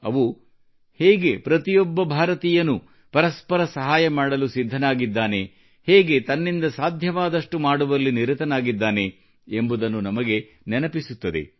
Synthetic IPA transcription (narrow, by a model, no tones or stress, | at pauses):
ɐ̰ʋu | hɛːɡe̞pɾɐt̪ijɔbːɐbʱaːɾɐt̪iːjɐnːu | pɐɾɐspɐɾɐsɐɦaːjɐmaːɽɐlusid̪ʱːɐnaːɡid̪ːaːne̞ | hɛːɡe̞t̪ɐnːind̪ɐsaːd̪ʱjɐʋaːd̪ɐʂʈumaːɽuʋɐlːiniɾit̪ɐnaːɡid̪ːaːne̞ː | mbud̪ɐnːunɐmɐɡe̞ | nɛnɐpisut̪ːɐd̪ḛ